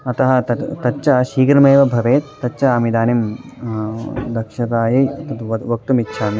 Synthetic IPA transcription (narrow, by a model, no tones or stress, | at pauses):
ɐt̪ɐɦɐ̆t̪ɐt̪ɐtːt͡ʃɐʃiːɡɾɐmeːʋɐbʱɐʋeːt̪ːɐtːt͡ʃɐaːmid̪aːnim | d̪ɐkʃɐɾaːjiɐt̪ɐt̪ʋɐʋɐk̚t̪umitːʃʰaːmi